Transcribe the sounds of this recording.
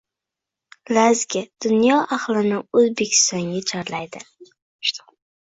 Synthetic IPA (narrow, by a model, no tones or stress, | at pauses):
lazɡʲɪd̪̥ʊnjɒʔaχlˠɪnɪɵzbekʲʰɪ̥st̪ɒŋɡʲat͡ʃʰaɾlajd̪ɪ